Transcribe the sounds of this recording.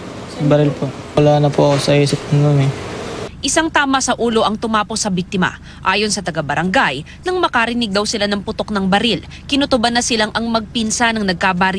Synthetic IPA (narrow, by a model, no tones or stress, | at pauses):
sɐbɐɾɪlpowɐlaːnɐpoʔɐkosɐesɪpɐnonɛʔɪsaŋt̪aːmɐsɐʔuːlo̞ʔɐŋt̪ʊmaːpo̞sɐbik̚t̪ɪmɐ̰ | ʔaːjo̞nsɐt̪ɐɡabɐɾɐŋɡaj | nɐŋmɐkɐɾɪnɪɡ̚d̪ɐwsɪlanɐŋpʊt̪o̞k̚nɐŋbɐɾil | kɪnʊt̪ʊbɐnːɐsɪlaŋʔɐŋmɐɡ̚pinsanɐŋnɐɡ̚kaːbaɾ